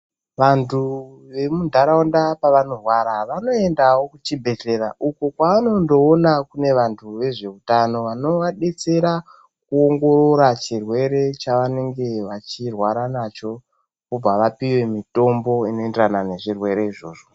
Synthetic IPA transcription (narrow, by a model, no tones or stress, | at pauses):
ʋantʰu | ʋe̞mundʱaɾaondapaʋano̞rwaɾaʋano̞e̞ndawo̞kut͡ʃibʱe̞ɬe̞ɾaʔukokwaʋano̞ndo̞ːnakune̞ʋantʰuʋe̞ʐe̞utano̞ʋano̞ʋaɗe̞t͡se̞ɾa | kuo̞ŋɡo̞ɾoɾat͡ʃirwe̞ɾe̞t͡ʃaʋane̞ŋɡe̞ʋat͡ʃirwaɾanat͡ʃo̞ | kobʱaʋapiwe̞mito̞mbo̞ino̞enderanane̞ʐirwe̞ɾe̞iʐo̞̰ːʐo